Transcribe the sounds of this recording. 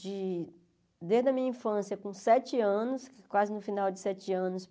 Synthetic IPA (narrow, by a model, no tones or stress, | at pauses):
d͡ʒɪ | d̪eɾd̪ɐmĩɲɐĩfɐ̃sjɐkõsɛt͡ʃɪɐ̃nʊskwazɪnʊfinawd͡ʒɪsɛt͡ʃɪɐ̃nʊs